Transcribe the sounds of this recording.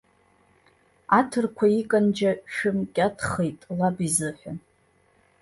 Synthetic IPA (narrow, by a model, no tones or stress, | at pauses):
atʰɨrkʷʰaikʼand͡ʒaʃɨmkʲʼatʰχejtʼlabizɨħʷᶣa